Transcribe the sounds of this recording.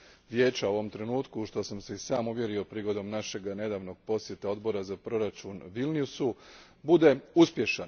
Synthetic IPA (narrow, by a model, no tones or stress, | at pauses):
ʋje̞ːt͡ʃaoʋo̞mt̪ɾe̞nuːt̪kuʃt̪o̞samseisaːmuʋje̞ɾio̞pɾiːɡo̞d̪o̞mnaʃe̞ɡne̞d̪aːʋno̞ɡ̥̚po̞sje̞t̪eo̞d̪bo̞ɾazapɾo̞ɾat͡ʃunʋilnijusu | bud̪e̞uspje̞ʃan